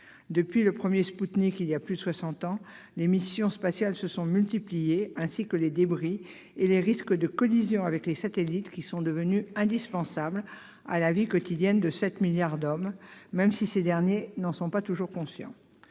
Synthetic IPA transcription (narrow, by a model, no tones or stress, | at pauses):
d̪əpɥiləpχəmjesput̪nikiljaplyd̪əswasɑ̃t̪ɑ̃ | lemisjɔ̃spasjalsəsɔ̃mylt̪iplijeɛ̃sikəled̪ebʁi | eleʁiskəd̪əkɔlizjɔ̃avɛklesat̪elit̪kʲisɔ̃d̪əvənyɛ̃d̪ispɑ̃sabl | a̰lavikɔt̪id̪jɛnd̪əsɛt̪miljaʁd̪ɔmːɛmsised̪ɛʁnjenɑ̃sɔ̃pat̪uʒuʁkɔ̃sjɑ̰̃